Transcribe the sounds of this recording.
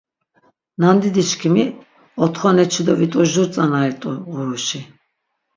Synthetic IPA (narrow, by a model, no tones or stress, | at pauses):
nand̪id̪iʃkʰimi | ɔt̪ʰχɔnɛt͡ʃʰid̪ɔvit̪ʼuʒuɾt͡sʼanait̪ʼuʁuɾuʃi